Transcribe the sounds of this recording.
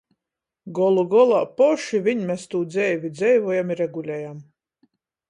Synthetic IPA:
ɡɔlˠuɡɔlˠaːpɔʃivʲiɲmʲɛst̪uːd̪zɛjvʲid̪zʲɛjvɔjamiɾɛɡulʲɛjam

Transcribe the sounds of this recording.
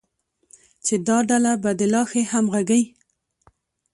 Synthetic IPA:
t͡ʃed̪ɑɖalabad̪əlɑxehamɣaɡaj

